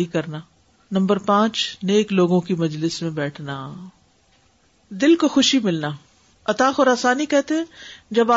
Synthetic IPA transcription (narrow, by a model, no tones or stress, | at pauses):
ikɐɾnaː | nɐ̃mbəɾpãːt͡ʃneːkloːɡõkimɐd͡ʒlɪsmẽbɛːʈʰnaː | d̪ɪlkoxʊʃimɪlnaː | ɐt̪aːxɔɾaːsaːnikɛɦt̪eɦɛ̃d͡ʒɐbaː